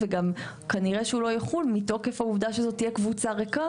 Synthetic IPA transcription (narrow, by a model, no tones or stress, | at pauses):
veɡam | kaniʁeʃeulo̞jeχulmito̞kefhauvd̪aʃezo̞t̪ijekvut͡saʁeka